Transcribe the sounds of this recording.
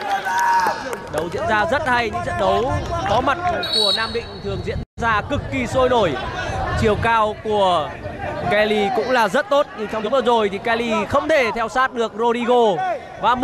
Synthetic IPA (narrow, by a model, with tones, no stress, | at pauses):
ɗə˨˦wzḭ˧˥ənzaː˧zə˦˥t̚ha˧jɲɨ̰˧˥ŋzə̰˧˨nɗə˨˦wkɔ˨˦ma˨˩t̚ku˧˩ənaː˧mɗḭ̈˧˨ŋ̟t̪ʰɨ˨˩əŋzḭ˧˥ənzaː˧kɨ˨˩kːi˨˩so˧jno˧˩jt͡ɕi˨˩əwkaː˧wku˧˩ə | kɛ˧li˧kʊ̰˧˥ŋ͡mlaː˨˩zə˦˥t̚t̪o˦˥t̚ɲɨ˧t͡ɕʰɔ˧ŋ͡mʔəː˧˩zo˨˩jt̪ʰi˨˩kɛ˧li˧xə˧wŋ͡mt̪ʰe˧˩t̪ʰɛ˧wsaː˦˥t̚ɗɨ˨˩ək̚zo˧li˧ɣo˧ | vaː˨˩m